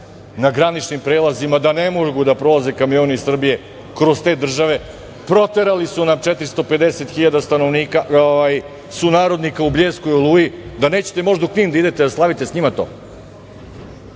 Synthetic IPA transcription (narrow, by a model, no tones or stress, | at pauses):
naɡɾanit͡ʃnimpɾe̞ːlˠazimad̪anemo̞ɡud̪apɾo̞lˠaze̞kamijo̞ːnisr̩bije̞ | kɾo̞st̪e̞ːd̪r̩ʒaʋe̞ | pɾo̞t̪e̞ɾalisunamt͡ʃet̪ɾist̪o̞pe̞d̪ese̞t̪xiʎaːd̪ast̪ano̞ʋniːkaoʋaj | sunaːɾo̞d̪nikaubʎeːsko̞jolˠuːjid̪aneːt͡ɕe̥t̪emo̞ʒd̪aukɲiːmd̪aid̪e̞t̪e̞d̪aslˠaʋit̪esɲimat̪o̞̰ː